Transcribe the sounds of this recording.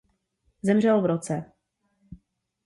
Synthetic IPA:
zɛmr̝ɛlvɾot͡sɛ

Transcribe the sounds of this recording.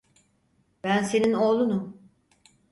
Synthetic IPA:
bænse̞nino̞ːlˠunu

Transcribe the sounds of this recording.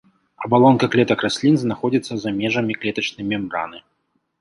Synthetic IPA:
ɐbalˠɔnkɐklʲɛt̪ɐkrasʲlʲinznaxɔd͡zʲit̪sːɐzamʲɛʐɐmʲiklʲɛt̪ɐt͡ʂnɨjmʲɛmra̰nɨ

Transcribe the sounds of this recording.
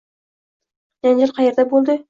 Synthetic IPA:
d͡ʒand͡ʒɪɾqʰɑjeɾd̪abolˠd̪ɪ

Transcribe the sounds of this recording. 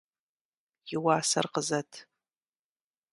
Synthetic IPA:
jɪwaːsɐ̰rqəzɐtʰ

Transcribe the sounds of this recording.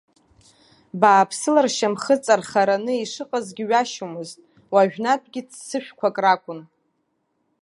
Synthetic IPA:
baːpʰsɨlarʃamχət͡sʼarχaɾanɨiʂɨqʼazɡʲɪɥaʃomɨztʼ | waʒᶣnatʼɡʲɪt͡ssɨʃᶣkʷʰakʼrakʷʼʊn

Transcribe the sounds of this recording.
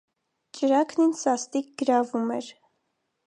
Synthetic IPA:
t͡ʃəɾɑkʰninsɑst̪ik̚ɡ̥əɾɑvumɛɾ

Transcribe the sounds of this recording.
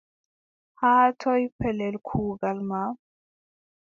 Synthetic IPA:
haːtʰɔjpʰɛlɛlkʰuːɡalma

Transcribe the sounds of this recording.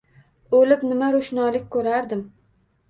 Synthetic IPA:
olɪpnɪmaɾʊʃnɒlɪkʲkʰɵɾaɾd̪ɪm

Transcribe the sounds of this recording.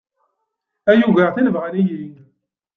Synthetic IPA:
æjuɣæʁθinəvʁlijiŋ

